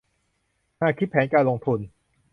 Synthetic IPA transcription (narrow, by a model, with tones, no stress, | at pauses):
haː˥˩kʰi˦˥t̪̚pʰɛː˩˦nkaː˧nlo˧ŋt̪ʰu˧n